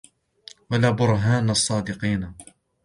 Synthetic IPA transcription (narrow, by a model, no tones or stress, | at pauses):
walaːbʊɾˤɦaːnɑsˤːɑːd̪ɪqiːn